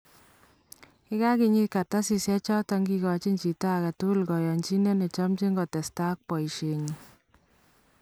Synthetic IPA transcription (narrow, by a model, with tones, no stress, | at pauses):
kɪ˦ka˦ki˨ɲi˦ka˨ta˦si˨sjɛ˦t͡ʃɔ˦tɔ˧ŋɡi˧kɔ˨t͡ʃi˦ɲt͡ʃi˨ta˦˨ka˨tu˦lkɔ˨jɔ˨nt͡ʃi˦ne˦ne˨t͡ʃɔ˦mt͡ʃi˦ŋɡɔ˨tɛ˨sta˦k̚pɔ˨i˨ʃe˨ɲi˨